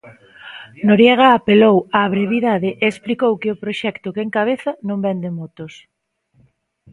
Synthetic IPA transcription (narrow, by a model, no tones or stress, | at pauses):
noɾjɛɣ̞aːpelowaβɾeβ̞iðaðɪʔeːsplikowkɪʊpɾoʃɛkt̪ʊkeŋkaβ̞eθanõmbɛnd̪emot̪os